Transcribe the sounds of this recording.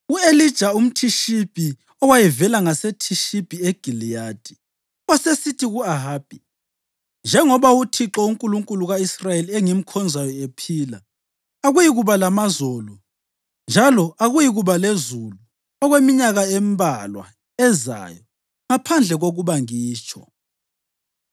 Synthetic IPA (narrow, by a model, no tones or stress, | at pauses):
uelid̥ʒ̥ʱaum̩tʰiʃib̥ʱi | ɔwajivɛlaŋasetʰiʃib̥ʱieɡ̥ʱilijad̥ʱi | asesitʰiɣuaɦaːb̥ʱi | nd͡ʒʱɛŋɔβautʰiǁɔuŋkʼuluŋkʼuluɣaisrajeliɛŋim̩kʰɔnd͡zʱajɔepʰiːlaː | ɣujiɣuβalamazɔlɔ | nd͡ʒʱalɔʔaɣujiɣuβalezulu | ɔɣwemiɲaɣaembʱalwa̰ | ɛza̰jɔ | ŋapʰand͡ɮʱɛɣoɣuβaŋiːt͡ʃʼʰɔ̰